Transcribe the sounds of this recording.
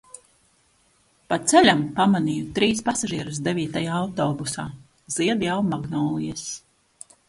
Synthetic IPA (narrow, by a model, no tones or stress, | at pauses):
pat̪t̪sɛlʲampamanijut̪ɾiːspasaʒiɛɾusd̪evʲiːt̪ajaːawt̪ɔːbusaː | z̥iɛd̪jawmaɡnɔːlˠijɛs